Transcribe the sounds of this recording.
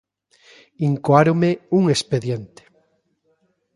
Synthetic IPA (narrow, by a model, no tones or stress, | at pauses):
iŋkwaɾomeuŋespeðjent̪e̥